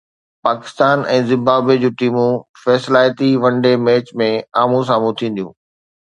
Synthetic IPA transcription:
paːkɪ̥st̪aːnɛ̃ːzɪ̃mbaːbed͡ʑũːʈiːmũfɛːslaːjt̪iʋɐ̃ɳɖemɛːt͡ɕmẽaːmũs̬aːmũt̪ʰĩːn̆d̪ijũː

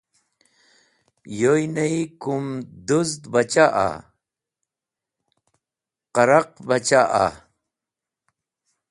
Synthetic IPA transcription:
jojnɐikumd̪uzd̪bɐt͡ɕaʔa̰ | qɐɾɐqbɐt͡ɕaʔa̰

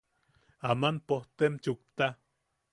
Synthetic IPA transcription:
amanpoht̪emt͡ʃuk̚t̪a

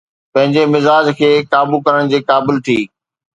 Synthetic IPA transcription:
pɐ̃ɦɪ̃ɲd͡ʑemɪzaːd͡ʑkʰeːkaːbukɐɾəɽ̃d͡ʑiːkaːbɪlt̪ʰiː

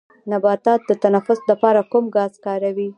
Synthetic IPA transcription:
nabɑt̪ɑt̪̚d̪ət̪anafʊslapɑɾakumɡɑzkɑɾawi

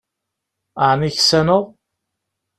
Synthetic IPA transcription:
aʕniçsænoʁ

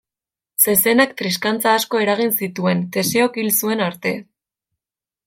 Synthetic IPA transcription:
se̞se̞nakt̪ɾiskant͡saːsko̞e̞ɾaɣ̞insit̪ue̞nt̪e̞seokilsue̞naɾt̪e̞

